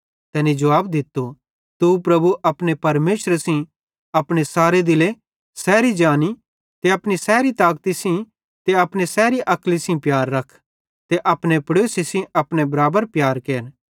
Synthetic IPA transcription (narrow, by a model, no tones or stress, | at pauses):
t̪ɛːnid͡ʒɐʋaːbd̪ɪt̪ːo | t̪upɾɐbuʔɐpɽ̃epɐɾmeːʃɾsĩ | ɐpɽ̃esaːɾed̪ɪle | sɛːɾid͡ʒaːni | t̪eɐpɽ̃isɛːɾit̪aːkt̪isĩ | t̪eɐpɽ̃esɛːɾiʔɐklisĩpjaːɾːɐkʰ | t̪eʔɐpɽ̃epɽoːsisĩɐpɽ̃ebɐɾaːbəɾpjaːɾkeːn